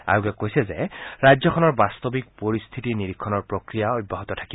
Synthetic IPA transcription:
a̰ɹuɡɛkːojsɛzɛɹajzɔkʰɔnɔɹbast̪ɔbik̚poɹist̪ʰitiniɹikʰːɔnɔɹpɹokɹijaoj̚bʱːaɦɔt̪ɔtʰḁki

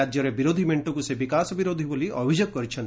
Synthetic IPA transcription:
ad͡ʒjɔɾebiɾod̪ʱimeɳʈɔkusebikasɔbiɾod̪ʱiboliʔɔbʱid͡ʒɔk̚kːɔɾit͡ʃʰɔnt̪

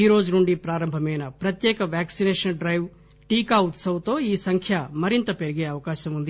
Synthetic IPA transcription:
iːɾo̞ːd͡ʒunuɳɖipɾaːɾɐmbʱɐmɛːnɐpɾɐt̪jɛːkɐʋjaːksineːʂɐnɖɾɐjʋ | ʈiːkaːut̪sɐʋɐt̪o̞ːiːsɐŋkʰjɐmɐɾint̪ɐpeɾiɡeːɐʋɐkaːʃɐmund̪i

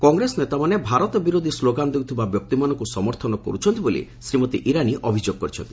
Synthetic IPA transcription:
kɔŋɡɾesɔnet̪amanebʱaɾɔt̪ɔbiɾod̪ʱisloɡand̪ewt̪ʰibabjɔk̚t̪imanɔŋkusɔmɔɾt̪ʰɔnɔkɔ̰ɾut͡ʃʰɔnt̪ibolḭsɾimɔt̪iʔiɾaniʔɔbʱid͡ʒoɡ̚kɔɾit͡ʃʰɔ̰nt̪i̥

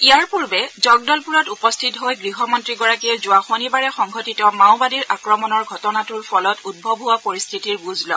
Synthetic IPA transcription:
ijaɹpuɹbɛzɔɡ̚dɔlpuɹɔtupɔstʰitɦojɡɹiɦɔmɔntɹiɡɔɹakiɛzʊaxonibaɹɛxɔŋɡʱɔtitɔmawbadiɹʔakɹɔmɔnɔɹɡʱɔtɔnatuɹpʰɔlɔtud̚bʱɔbʱuwapoɹistʰitiɹbuzlɔ̰

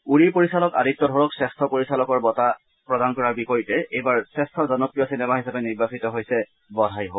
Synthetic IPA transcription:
uɹipoɹisalɔka̰ditːɔdʱɔɹɔksɛstʰɔpoɹisalɔkɔɹbɔta | pɹɔdankɔɹaɹbikoɹitɛʔejbaɹsɛstʰɔzɔnopɹijɔsinɛmaɦisapɛniɹbasitɔɦojsɛ | bɔdʱajɦo

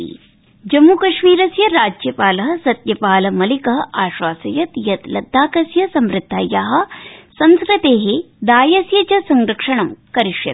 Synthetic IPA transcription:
d͡ʒɐmːukɐʃmiːɾɐsjɐɾaːd͡ʒjɐpaːlɐɦɐ̆sɐt̪jɐpaːlɐmɐlikɐɦɐ̆ʔaːʃʋaːsɐjɐt̪jɐt̪lɐd̪ʱːaːkɐsjɐsɐmɾɪt̪ːaːjaːɦɐ̆sɐnskɾɨt̪eːɦe | d̪aːjɐsjɐt͡ʃɐsɐŋɡɾɐkʂɐɳɐmkɐɾiʂjɐ̰t̪

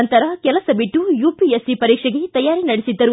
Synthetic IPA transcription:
nt̪ɐɾɐkɛlɐsɐbiʈːujuːpiesipɐɾiːkʂɐɡet̪ɐjaːɾinɐɽesid̪ːɐɾu

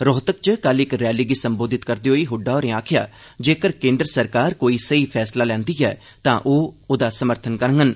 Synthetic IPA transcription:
ɾɔːt̪ək̚t͡ʃəkəlɪkɾɛːliːɡisəmboːd̪ɪt̪kəɾd̪iːɦoːiɦʊɖːaːɔːɾẽaːkʰɪja̰ː | d͡ʒeːkəɾkẽːnd̪ɾəsəɾkaːɾkoːiːsəiːpʰɛːslaːlɛ̃ːnd̪iːɛ̰ː | t̪ãːʔoːod̪aːsəməɾt̪ʰənkəɾŋɡən

